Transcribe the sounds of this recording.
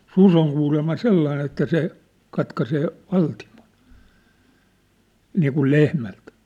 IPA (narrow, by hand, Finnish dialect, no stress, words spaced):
sus oŋ kuːlemːɑ selːɑin etːæ se kɑtkɑseː ʋɑltimon niːkul lehmælt